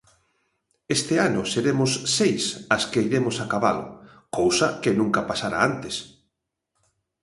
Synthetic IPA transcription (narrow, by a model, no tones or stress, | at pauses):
est̪ɪanʊseɾemʊsːejsaskejɾemʊsakaβa̰lʊ̰ | kowsakenũŋkapasaɾa̰ant̪es